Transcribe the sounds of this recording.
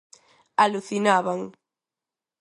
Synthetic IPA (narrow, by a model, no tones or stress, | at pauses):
aluθinaβaŋ